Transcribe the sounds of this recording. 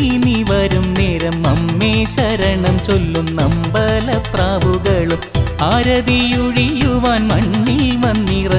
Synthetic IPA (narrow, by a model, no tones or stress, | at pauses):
iniʋɐɾumneːɾɐmːɐmːeːɕɐɾɐɳɐmt͡ɕolːumnɐmbɐlɐpraːbuɣɐɭumaːɾɐd̪ijuɻijuʋaːnmɐɳːilʋɐnːirɐ